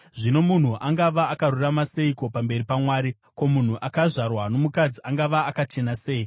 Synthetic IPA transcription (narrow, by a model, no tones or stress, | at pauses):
ʐino̞mun̤uʔaŋɡaʋaːkaruramase̞iko̞pambe̞ɾipamwaːɾi | ko̞mun̤uʔakaʐarwano̞mukad͡ziaŋɡaʋaːkat͡ʃe̞nase̞ːi